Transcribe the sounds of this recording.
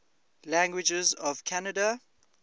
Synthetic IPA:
læ̃ŋɡwɪd͡ʒəzɔv̥kʰanəda

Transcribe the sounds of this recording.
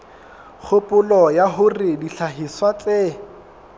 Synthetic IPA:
k͡xʰʊpʼʊlɔjaɦʊrɪdiɬʰaɦiswat͡sʼe

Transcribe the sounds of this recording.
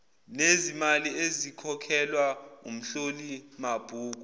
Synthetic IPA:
nezimaliezikʰɔkʰɛlwaṵm̩ɬolimab̥ʱuːk̬u

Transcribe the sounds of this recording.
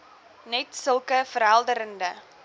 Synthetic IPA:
nɛtsəlˠkəfəɾɦælˠdəɾəndə

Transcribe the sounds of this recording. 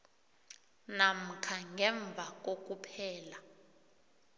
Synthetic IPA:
nam̩kʰaŋɛɱb̪vʱak̬ʼok̬ʼupʰɛːla

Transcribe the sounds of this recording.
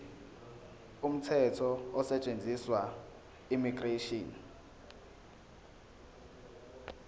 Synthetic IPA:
um̩tʰɛtʰɔɔsɛt͡ʃʼend͡zʱiswa | imiɡ̥reʃɔn

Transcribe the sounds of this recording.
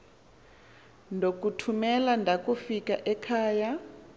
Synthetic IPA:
ndʱok̬ʼutʰumɛlandʱak̬ʼufikaʔɛkʰaːja

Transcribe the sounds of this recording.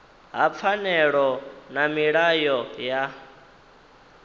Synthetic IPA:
ɦap̪fʰanɛɺɔnamiɺajɔja

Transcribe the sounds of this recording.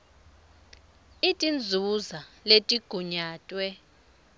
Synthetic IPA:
itʼind͡zʱuzaletʼiɡ̥ʱuɲaːtʼwɛ

